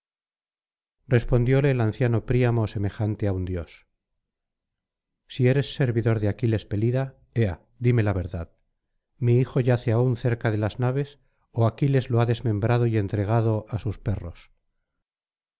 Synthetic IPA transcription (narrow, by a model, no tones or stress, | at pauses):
re̞spo̞nd̪jo̞le̞ːlan̟θjano̞pɾiamose̞me̞xant̪eaund̪jo̞s | sie̞ɾe̞sːe̞ɾβiðo̞ɾðeakile̞spe̞liða | ea̰ | d̪ime̞laβ̞e̞ɾðað | miixo̞ʝaθeaunθe̞ɾkaðelaznaβ̞e̞s | oakile̞zloaðe̞zmẽ̞mbɾað̞o̞ie̞nt̪ɾe̞ɣ̞að̞o̞ʔasuspe̞ro̞s